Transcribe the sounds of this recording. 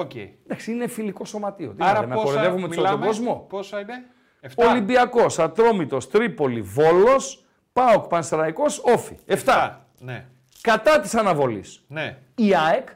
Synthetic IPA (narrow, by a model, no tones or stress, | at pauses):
oend̪ɐksiine̞filiko̞so̞mɐt̪io̞̰t̪iemnɐpoɾeðevumemoɐt̪oɡɡozmo̞posine | fto̞limbiɐko̞sɐt̪ɾo̞mit̪o̞st̪ɾipo̞livo̞lo̞s | pɐokpɐnsɾɐiko̞so̞fḭeft̪ɐ | ne | kɐt̪ɐt̪i̥sɐnɐvo̞lḭsne | iɐek